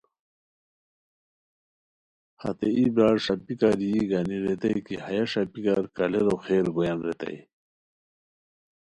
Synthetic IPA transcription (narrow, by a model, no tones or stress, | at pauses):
hɐ̰t̪eibaːɽʂɐpikaɾijiɡɐniɾet̪ɐjkihɐjaʂɐpikaɾkɐleɾoxeːɾɡojɐnɾet̪ɐ̰j